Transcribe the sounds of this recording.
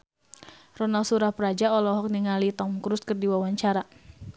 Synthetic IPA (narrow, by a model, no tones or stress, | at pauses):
rɔnalsuɾahpəɾad͡ʒaɔlɔɦɔk̚niŋalit̪ɔmkɾuskərdiwawaɲt͡ʃaɾa